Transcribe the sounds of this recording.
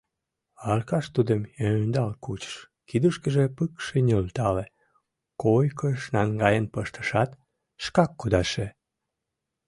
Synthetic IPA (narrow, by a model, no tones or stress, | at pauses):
ɑlkɑʃt̪ud̪əmønd̪ɑlkut͡ɕə̥ʃ | kid̪uʃkəʒepɨkʃenʲølt̪ɑle | kojkəʃnɑŋɡɑjənpəʃt̪ə̥ʃɑt̪ː | ʃkɑkːud̪ɑʃe